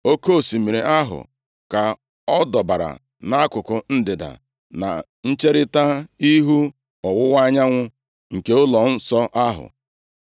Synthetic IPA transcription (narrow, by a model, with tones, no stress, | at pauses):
o˦ko˦˨si˨mi˨ɾe˨ʔa˦ɦʊ̰˨ | ka˨ | ɔ˦dɔ˨ba˨ɾa̰˨ | na˦a˦kʊ˨kʊ˨n̩˦dɪ˨da̰˨ | na̰˨ | n̩˦t͡ʃe˦ɾɪ˦ta˦i˦ɦu˦ | ɔ˨wʊ˦wa˦ɲa˦ŋʷʊ˦ | ŋ̩˨ke˦ʊ˦lɔ˨n̩˦sɔ˦ʔa˦ɦʊ̰˨